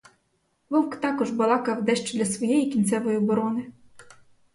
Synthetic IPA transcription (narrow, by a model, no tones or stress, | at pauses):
ʋɔwkt̪ɑkɔʒbɐlˠɑkɐwd̪ɛʃt͡ʃɔd̪lʲɐsʋɔjɛjikʲint̪sɛʋɔjibɔɾɔnɪ